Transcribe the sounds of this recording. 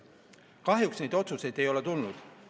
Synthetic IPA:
kɑɦjuksnejd̪o̞t̪suse̞jd̪̥e̞jo̞le̞t̪ulnud̪̥

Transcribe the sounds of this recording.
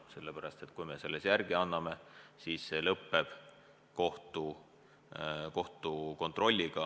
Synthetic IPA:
se̞lːepæɾɑst̪e̞t̪kujmese̞lːesjærɡ̥iɑnːɑme̞siːsːe̞lɤpːe̞b̥ | ko̞ht̪u | ko̞ht̪uko̞nt̪ˑro̞lʲːiɡ̥ɑ

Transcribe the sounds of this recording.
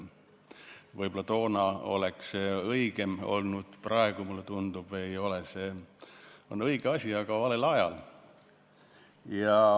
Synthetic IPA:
vɤjb̥olɑt̪o̞ːnɑo̞̰leksɤiɡ̥e̞mo̞̰lnud̪̥prɑe̞ɡ̥umulːet̪und̪̥ub̥e̞jo̞lese | o̞nɤiɡ̥eɑsʲiɑɡ̥ɑvɑle̞lɑjɑ̰l | jɑ

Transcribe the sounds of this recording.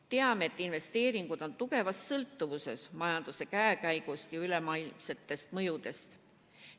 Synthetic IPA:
t̪e̞ɑme̞ːt̪ːˑinve̞st̪e̞ːɾiŋɡ̥ud̪̥o̞nt̪uɡ̥e̞vɑssɤlt̪ːˑuvuse̞̰smɑjɑnd̪̥use̞kæekæjɡ̥ust̪jɑyle̞mɑjlmse̞t̪ːe̞st̪mɤjud̪̥e̞st̪

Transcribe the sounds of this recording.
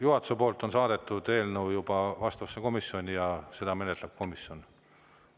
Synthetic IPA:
juɦɑt̪u̥sepo̞ːlt̪ːˑonsɑːd̪̥e̞t̪ːˑud̪̥e̞ːlnəwjub̥ɑvɑst̪ɑvɑsːeko̞misːjo̞nʲijɑse̞d̪ɑme̞net̪leb̥̚ko̞misjo̞n

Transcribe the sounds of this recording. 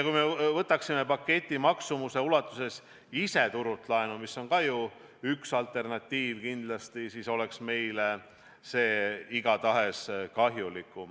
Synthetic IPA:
jɑkujmevɤt̪ːˑɑksimepɑkːe̞t̪ʲˑːimɑksumuse̞ulɑt̪ːˑuse̞s | ise̞t̪uɾut̪ːˑlɑenumisːo̞nkɑju | yksɑlt̪ˑe̞rnɑt̪ʲːiːvkind̪̥lɑst̪isiso̞le̞ksme̞jle | se̞ːiɡ̥ɑt̪ɑɦe̞skɑɦjulikːˑu

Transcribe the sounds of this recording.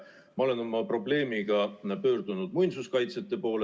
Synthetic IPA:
mɑo̞le̞no̞mɑpro̞ble̞ːmiɡ̥ɑpø̞ːrd̪̥unud̪̥mujnsuskɑjt̪set̪ːˑe̞po̞ːle

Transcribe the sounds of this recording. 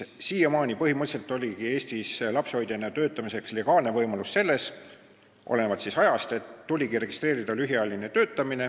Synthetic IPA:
siːjemɑːnʲipɤɦimɤt̪selt̪ːˑo̞lʲiɡ̥ie̞ːst̪islɑpsho̞jd̪̥jenːet̪ø̞ːt̪ːˑɑmise̞ksle̞ɡ̥ɑːlne̞vɤjmɑlusːe̞lːe̞s | ʔo̰lenevɑt̪sisɑjɑst̪e̞t̪ːulʲiɡiɾe̞ɡ̥ist̪re̞ːɾid̪̥ɑlyɦiɑlʲːinet̪ø̞ːt̪ːˑɑmine̞

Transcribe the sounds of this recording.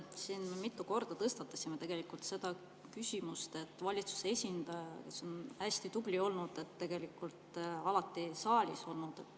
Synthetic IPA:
sinmemit̪ˑːuko̞rd̪̥ɑt̪ɤst̪ɑt̪ːˑɑsimet̪e̞ɡ̥e̞likult̪se̞d̪̥ɑ | kysʲimust̪e̞t̪ːˑvɑlʲit̪su̥seesʲind̪̥ɑjɑke̞so̞nhæsʲt̪it̪ub̥lio̞lnud̪̥e̞t̪ːe̞ɡe̞likːˑult̪ɑlɑt̪ːˑisɑːlʲiso̞lnud̪̥

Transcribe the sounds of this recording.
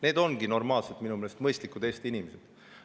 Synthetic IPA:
ne̞ːd̪o̞nɡino̞rmɑːlselt̪minumelest̪mɤjst̪likud̪̥e̞ːst̪inimesed̪̥

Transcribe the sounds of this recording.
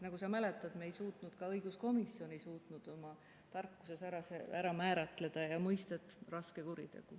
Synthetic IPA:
nɑɡusɑmæle̞t̪ːˑɑd̪meːjsuːt̪nud̪̥kɑɤjɡ̥usko̞misjo̞nisuːt̪nud̪̥o̞mɑ | t̪ɑrkːu̥se̞sæɾɑseæɾɑmæːɾɑt̪ˑle̞d̪̥ɑjɑmɤjst̪ɑet̪ːˑrɑske̞kuɾḭd̪̥e̞̰ɡ̥u

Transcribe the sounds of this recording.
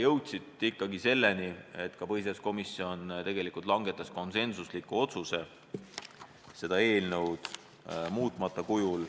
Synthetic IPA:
jɤwt̪ʲsit̪ˑikːɑɡise̞lːe̞nie̞t̪ːˑkɑpɤɦisesko̞misːio̞nt̪e̞ɡ̥e̞likˑult̪lɑŋɡ̥e̞t̪ːˑɑsko̞nse̞nsuslikːuo̞t̪suse̞ | se̞d̪̥ɑe̞ːlnə̞wd̪̥ | muːt̪ˑmɑt̪ːˑɑkujul

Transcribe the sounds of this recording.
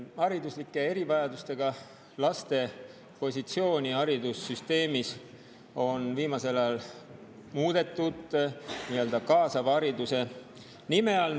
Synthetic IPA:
ɑɾid̪uslikːˑe̞e̞ɾivɑjɑd̪ust̪e̞ɡ̥ɑ | lɑst̪e̞ | po̞sʲit̪sio̞ːnʲiɑɾid̪usːyst̪e̞ːmis | o̞nviːmɑse̞lɑjɑl | muːd̪̥e̞t̪ːˑud̪̥niøld̪̥ɑkɑːsɑvɑɾid̪use̞ | nime̞ɑl

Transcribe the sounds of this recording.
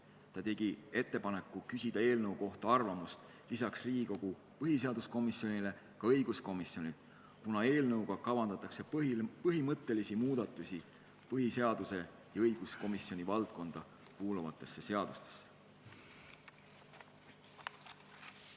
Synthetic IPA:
t̪ɑt̪e̞ɡ̥ie̞t̪ːe̞pɑne̞kːˑukysʲid̪̥ɑe̞ːlnɤuwko̞ht̪ɑɑrvɑmust̪ | lisɑksriːɡiko̞ɡ̥u | pɤɦise̞ɑd̪usko̞misjo̞nʲile̞ | kɑɤ̞jɡ̥usko̞misjo̞nʲid̪̥ | kunɑe̞ːlnɤwɡ̥ɑkɑvɑnd̪ɑt̪ːˑɑkse̞pɤɦimɤt̪ːˑe̞lisimuːd̪̥ɑt̪ːˑusʲi | pɤɦise̞ɑd̪̥use̞ | jɑɤjɡ̥usko̞misːjo̞nʲivɑlt̪̚ko̞nd̪̥ɑ | kuːluvɑt̪ːˑe̞sːe̞se̞ɑd̪̥ust̪e̥sːe̥

